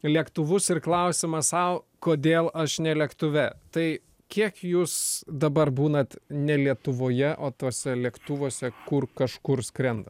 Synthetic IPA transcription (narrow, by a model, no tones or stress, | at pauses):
lʲiɛkt̪ʊʋʊsɪrklˠɐʊsʲɪmɐssɐʊ | koːd̪ʲeːlˠʔɐʃnʲɛlʲɛkt̪ʊʋʲɛt̪ɐɪ | kʲiɛkjuːsd̪ɐbɐrbuːnɐt̪nʲɛlʲiɛt̪ʊʋoːjɛʔoːt̪oːsʲɛlʲiɛkt̪ʊʋoɔsʲɛkʊrkɐʃkʊɾskɾʲɛnd̪ɐ